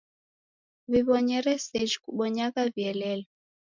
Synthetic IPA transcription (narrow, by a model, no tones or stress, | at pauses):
βiβɔɲɛɾɛsɛʒikuɓɔɲakaviɛlɛlɔ